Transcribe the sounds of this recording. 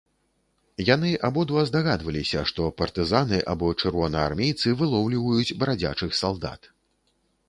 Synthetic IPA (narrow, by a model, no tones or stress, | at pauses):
janɨʔabɔd̪vɐzd̪aɣad̪vɐlʲisʲɐʂt̪ɔpɐrt̪ɨzanɨʔa̰bɔt͡ʂɨrvɔnɐa̰rmʲejt̪sɨvɨlˠɔwlʲivɐjut͡sʲbɐɾad͡zʲa̰t͡ʂɨxsalˠd̪a̰t̪